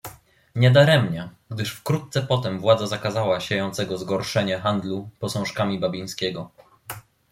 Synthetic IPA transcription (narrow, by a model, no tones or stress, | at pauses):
ɲɛd̪aɾɛmɲɛɡd̪ɘʂfkɾut̪̚t̪sɛpɔt̪ɛmvwad̪zazakazawaɕejɔnt̪sɛɡɔzɡɔɾʂɛɲɛxand̪lupɔsɔ̃w̃ʂkamʲibabʲij̃skʲɛɡɔ